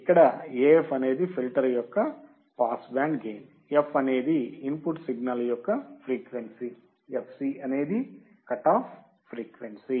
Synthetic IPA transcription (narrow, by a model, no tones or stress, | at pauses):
ikːɐɽɐeːepʰɐne̞ːd̪ipʰilʈɐɾɐjɔkːɐ | paːsbaːɳɖɡeːn | epʰɐne̞ːd̪iinpuʈsiɡnaːlɐjɔkːɐpʰɾiːkʋensi | epʰsiɐne̞ːd̪i | kɐʈːaːp | pːɾiːkʋensi